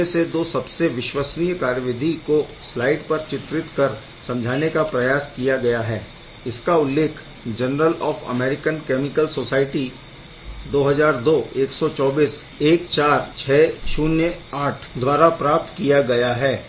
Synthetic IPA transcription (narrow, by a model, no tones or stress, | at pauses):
esed̪oːsɐbseʋɪʃwəsnijəkaːɾjəʋɪd̪ʱiko | slaːɪɖpɐɾt͡ʃɪt̪ɾɪt̪kɐɾ | sɐ̃md͡ʒʱaːnekapɾɐjaːskijaɡɐjaɦɛː | ɪskaʊlːeːkʰ | d͡ʒɐnɾəlɔːfɐ̰mɛːɾɪkənkɛːmɪkəlsoːsaːɪʈi | d̪oːɦɐzaːɾd̪oːeːksɔt͡ʃɔːbiːs | eːk̚t͡ʃaːɾt͡ʃʰɛːt͡ʃuːnjəaːʈʰd̪waːɾapɾaːp̚t̪kijaɡɐjaɦɛː